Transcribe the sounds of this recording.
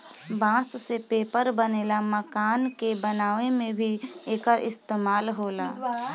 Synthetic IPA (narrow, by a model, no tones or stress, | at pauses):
bãːssepeːpəɾbəneːlaməkaːnkebənaːʋemẽbʱieːkəɾʔɪst̪eːmaːlɦoːlaː